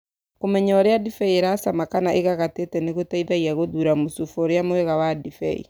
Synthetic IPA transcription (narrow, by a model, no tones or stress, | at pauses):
kumɛɲɔɾijadifɛjeɾasamakanaʔekakatetɛnekotaibɛiakoduɾamusufoɾiamujekawadifɛ̰jḛ